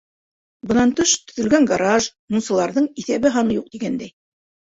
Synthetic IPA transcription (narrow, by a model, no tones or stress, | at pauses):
bɤ̆nɑnt̪ɵʃt̪ɵ̥̆ðɘ̆lɡæŋɡaɾɑʒnunsɤ̆lˠɑɾðɤɴiθæβɘɦɑnɤjuq̚t̪iɡænd̪æj